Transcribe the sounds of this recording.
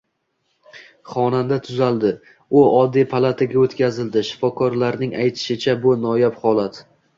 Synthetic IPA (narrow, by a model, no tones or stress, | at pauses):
χɒnand̪at̪ʰʊzalˠd̪ɪ | ʊɒd̪ːipʰalˠat̪ʰaɡʲaot̪kʲazɪld̪ɪʃɪ̥fɒkʰɒɾlaɾnɪŋajt̪ʰɪ̥ʃɪt͡ʃʰabʊnɒjapχɒlˠat̪